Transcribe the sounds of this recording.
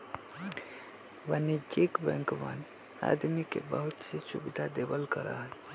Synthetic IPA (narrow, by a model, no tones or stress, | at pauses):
ʋənid͡ʒekbɛ̃ŋkmə̰n | a̰d̪mikḛbəɦut̪sisubid̪ʱad̪ebəlkəɾa̰ɦən